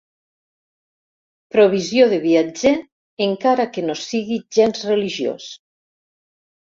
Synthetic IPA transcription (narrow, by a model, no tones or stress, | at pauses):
pɾoβ̞izjoðeβiad͡ʒeː | ŋkaɾakenosiɣiʒenzreliʒio̰s